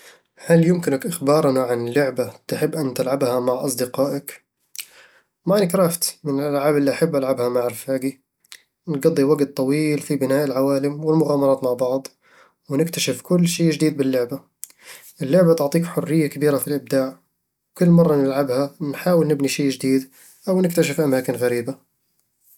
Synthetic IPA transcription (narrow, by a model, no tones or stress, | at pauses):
haljʊmkɪnakʔɪxbɑːɾˤnaʕanɪlːʊʕbat̪ħɪbːʔant̪alʕabhamaʕʔɑsˤd̪ɪqɑːʔak | maʔnɪkɾaft̪mɪnɪlʔalʕaːbʔɪlːiʔaħabːʔalʕabhamaʕɾfaːɡi | nɡɑd̪ˤːiwaɡt̪̚ˤːɑwiːlfibɪnaːʔɪlʕawaːlɪmwɪlmʊɣaːmɑɾˤɑːt̪maʕbɑʕd̪ˤ | wnɪkt̪aʃɪfkʊlːʃiːʒd̪iːd̪̚bɪlːʊʕba | ʔɪlːʊʕbat̪ʊʕt̪ˤiːkħʊrːɪjːakabiːɾafilʔɪb̚d̪aːʕ | wkʊlːmɑrˤːɑnɪlʕabhanħaːwɪlnɪbniʃeːʔd͡ʒd̪iːd̪ | ʔawnɪkt̪aʃɪfʔamaːkɪnɣaɾiːba